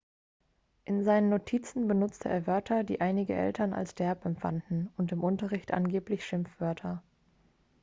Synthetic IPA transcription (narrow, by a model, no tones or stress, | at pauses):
ʔɪnzaɪnənːotʰiːt͡sn̩bənʊt͡stʰəʔeːɐvœɐtʰɐdḭːʔaɪnɪɡəʔɛ̰ltɐna̰lsd̥ɛɐpɛmfa̰ndn̩ʊntɪmʔʊntɐʁɪçtʔa̰nɡeːplɪçʃɪmfv̥œɐtʰɐ